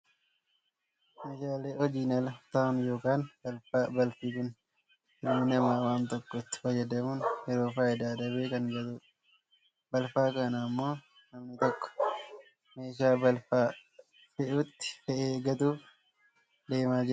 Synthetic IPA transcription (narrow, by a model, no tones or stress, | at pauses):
meːʃaːleːɔd͡ʒiːnɐlɐt̪aːnjo̞ːkaːnbɐlfaːbɐlfiːkʊn | ɪlmɪnɐmaːwaːnt̪ɔkːɔt̪ːɪ̥fɐjːɐd̪ɐmuːnjɛɾoːfaːjɪd̪aːd̪ɐbeːkɐŋɡɐt̪ʊ | bɐlfaːkɐnɐːmːo̞ː | nɐmnɪt̪ɔkːɔ̥ | me̞ːʃaːbɐlfaː | fɛʔut̪ːɪ̥fɛʔeːɡɐt̪uː | d̪e̞ːmaːd͡ʒɪ